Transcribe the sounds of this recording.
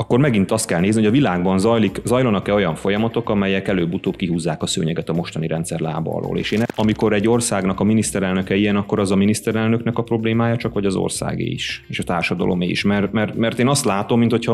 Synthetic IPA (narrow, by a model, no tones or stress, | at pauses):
ɒkːo̞rmɛɡint̪ɒst̪̚kɛlneːznioɒvilaːɡbɒnzɒjlikzɒjlonɒkɛo̞jɒɱfo̞jɒmɒt̪o̞kɒmɛjɛkɛløːbːut̪oːpkiɦuːzːaːkɒsø̰ːɲɛɡɛt̪ɒmo̞ʃt̪ɒniɾɛnt̪sɛrla̰ːbɒ̰ɾo̰ːlḛːʃeːnɒmiko̞ɾɛɟːo̞rsaːɡnɒkɒminist̪ɛɾɛlnøkɛijɛnɒkːo̞ɾɒzɒminist̪ɛɾɛlnø̞knɛkɒpro̞bleːmaːjɒt͡ʃɒkʋɒɟɒzo̰rsa̰ːɡḛːiʃeːʃɒt̪aːrʃɒd̪ɒ̰lʔo̞̰mḛːḭʃmɛrt̪mɛrt̪mɛrt̪eːnɒst̪laːt̪o̞mːint̪ho̞cʰɒ